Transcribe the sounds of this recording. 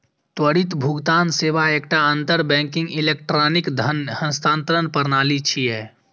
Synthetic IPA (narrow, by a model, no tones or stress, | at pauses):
t̪wəɽɪt̪bʱʊɡt̪aːnseːʋaeːk̚ʈaə̃nt̪əɾbɛ̃ːŋkɪ̃ŋɡɪleːkʈɾaːnɪkd̪ʱənhə̃nst̪ʰãːnt̪əɾənpəɾnaːlit͡ʃʰiɦɛː